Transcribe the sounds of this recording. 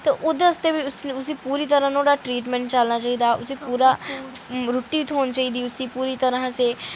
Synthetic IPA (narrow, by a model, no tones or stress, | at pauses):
t̪eːʔʊd̪eəst̪eːbiʊsʊsiːpuːɾiːt̪əɾãːt̪oːɽaːʈɾiːʈmɛ̃ːɳʈt͡ʃəlnaːt͡ʃaːiːd̪aːʔʊsiːpuːɾaː | ɾʊʈːiːɪt̪ʰɦoːnt͡ʃaːiːd̪iːʊsiːpuːɾiːt̪əɾãːseː